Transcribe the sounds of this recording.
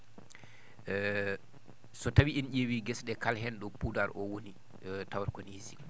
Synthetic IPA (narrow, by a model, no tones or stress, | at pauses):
sɔtawiʔinʄewiɡɛsɗɛkalɦɛnɗɔpudaɾʔɔwoni | tawaɾkɔnisi